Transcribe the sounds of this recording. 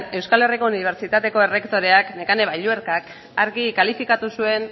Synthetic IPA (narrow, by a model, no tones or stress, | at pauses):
e̞wskale̞riko̞uniβ̞e̞ɾt͡ʃit̪at̪e̞ko̞e̞re̞kt̪o̞ɾe̞akne̞kane̞βaʎue̞ɾkak | aɾɣikalifikat̪usue̞n